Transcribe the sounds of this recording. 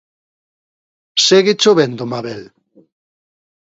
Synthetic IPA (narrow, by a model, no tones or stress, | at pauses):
seɣit͡ʃoβend̪omaβel